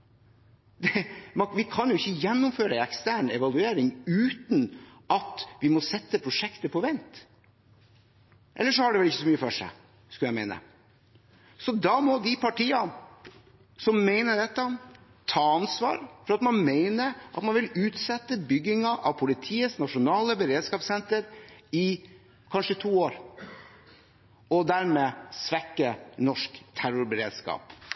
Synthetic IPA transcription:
d̪ɛmɑʋɪkʰɑnjʊɪçːəjɛnːʊmføːɾəɛkst̪æːɳɛʋɑlʉeːɾɪŋʉːt̪n | ʔɑt̪ʋɪmɔsɛt̪ːəpʰɾʊʂɛkt̪əpʰɔʋɛnt̪ | ʔɛ̰lːəʂɔhɑɖɛʋɛlɪçːəsɔmyːəfɔʂæ̰ɪ | skʉljæɪmeɪnə̰ | sɔd̪ɑmɔd̪ɪpʰɑʈʰiːɑn | sɔmːeɪnəɖɛt̪ːən | t̪ʰɑːɑnsʋɑ̰ːɾfɔɾɑt̪mɑnmeɪnəʔɑ̰t̪mɑnʋɪlʉːt̪sɛt̪ːəbʏɡɪŋɑʔɑʋpʰʊlɪt̪ʰiːəsnɑʂʊnɑːləbəɾeːd̪skɑːpsɛnt̪əɾɪ | kʰɑnʂət̪ʰuːoːɾ | ɔd̪æɾmeːsʋɛkːənɔʂkt̪ʰæɾʊɾbəɾḛːd̪skɑ̰ːp

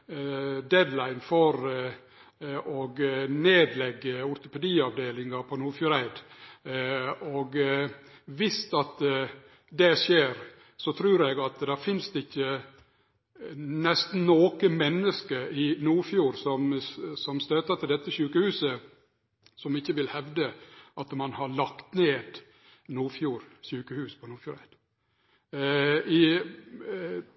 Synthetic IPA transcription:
d̪ɛd̪læɪnfɔɾ | ɔɡneːd̪lɛɡːəʊɾt̪ʊpɛd̪iːɑʋd̪eːlɪŋɑɾpʰɔnuːfjuːɾæɪd̪ | oɡ | ʋɪst̪ɑt̪ | d̪ɛʂjeːɾ | sɔt̪ʰɾʉːɾɛɡɑt̪d̪æfɪnsd̪ɛɪçːə | nɛst̪n̩noːkəmɛnːəskəɾɪnuːɾfjuːɾsɔmsɔmst̪øːt̪ət̪ʰɪld̪ɛt̪ːəɕʉːkəhʉːsə | sɔmɪçːəʋɪlhɛʋd̪əʔɑt̪mɑnhɑɾɭɑkt̪neːd̪ | nuːɾfjuːɾɕʉːkəhʉːspʰɔnuːɾfjuːɾɛt̪ | ɪ

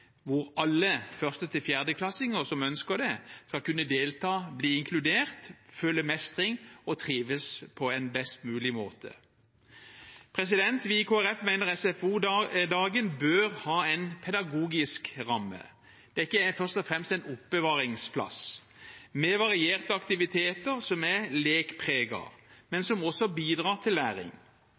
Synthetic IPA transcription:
ʋʊʁɑlːəfœʁst̪ət̪ʰɪlfjæʁd̪əkʰlɑsɪŋəʁsɔmœnskəʁd̪ɛskɑlkʉnːəd̪eːlt̪ʰɑːbliːɪŋkʰlʉd̪eːʁt̪fœlːəmɛst̪ʁɪŋɔt̪ʰʁiːʋəspʰɔɛnbɛst̪mʉːlɪmoːt̪ʰə̰ | pʰʁɛs̬ɪd̪ɛnt̪ʋikʰoːæʁɛfmæɪnəʁɛsɛfuːd̪ɑːɡənbøːʁhɑːɛɪnpʰɛd̪ɑɡuːɡɪskʁɑmːə̰ | d̪̥ɛkːəæfœʁʂst̪ɔfʁɛmst̪æɪnʊpːəʋɑːʁɪŋspʰlɑ̰s | mɛʋɑʁɪeːʁt̪əɑkt̪ɪʋɪt̪ʰeːt̪əʁsɔmæleːkpʰʁeːɡɑ̰mɛnsɔmɔsɔbiːd̪ʁɑːt̪ʰɪlːæːɾɪ̰ŋ

